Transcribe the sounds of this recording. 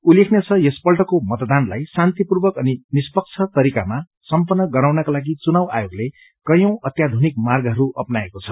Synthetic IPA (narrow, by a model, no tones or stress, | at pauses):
ulekʰnet͡sʰʌjʌspʌlʈʌkomʌt̪d̪anla̰jsant̪ipurbʌkʌninispʌk̚t͡sʰʌt̪ʌɾikama | sʌmpʌnːʌɡʌɾawnʌkalaɡit͡sunawa̰joɡle | kʌjʌ̃w̃ʌt̪jad̪ʱunik̚marɡʌɦʌɾuʔʌpnaekot͡sʰʌ̥